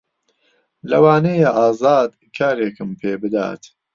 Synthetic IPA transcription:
lɐwaːnejaʔaːzaːd̪ | kʰaːɾeːkɨmpʰeːbɨd̪a̰ːt̪

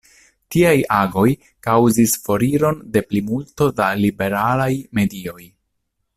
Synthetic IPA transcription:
tiajaɡo̞j | kawzisfo̞ɾiɾo̞nde̞plimulto̞dalibe̞ɾalajme̞dio̞j

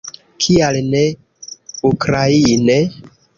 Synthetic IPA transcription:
kʰialne | ukɾaine

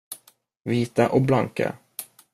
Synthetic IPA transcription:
viːt̪aʔɔblaŋka̰

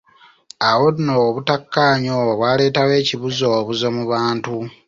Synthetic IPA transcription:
awo̞dnoβutakːaːɲoβwaːle̞ːtawe̞ːciβuzo̞ːβuzo̞muβaːntu

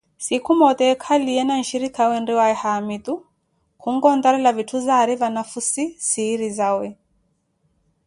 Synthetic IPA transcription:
sikumɔt̪ɛkʰaliɛnan̩ʃiɾikawɛndiwaɛhamit̪u | kʰuŋ̩ɡɔnd̪aɾɛlavitʰuzaɾivanafusisiːɾizawɛ

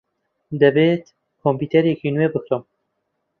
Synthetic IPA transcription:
d̪ɛbet̪ | kʰompiːt̪ʰeɾekʰinuebɨxɾom

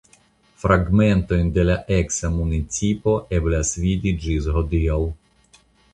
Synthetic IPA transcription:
fɾaɡmɛnt̪ɔjnʲd̪ɛlʲaʔɛksamunit͡sʲipɔʔɛblʲasʋʲid̪ʲid͡ʒizɦɔd̪iɐlˠ

